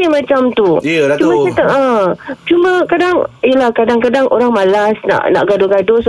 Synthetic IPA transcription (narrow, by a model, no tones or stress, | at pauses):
imãt͡ʃamt̪ut͡ʃumaat̪əət͡ʃumə̃kadaŋijəlahkadaŋkadaŋʔoɾaŋmalasna̰ʔna̰ʔɡadoɡados